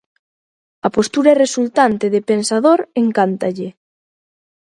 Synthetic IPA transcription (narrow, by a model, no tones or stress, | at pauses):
ɐpost̪uɾɐeresult̪ant̪ɪðɪpensaðoɾeŋkant̪aʎɪ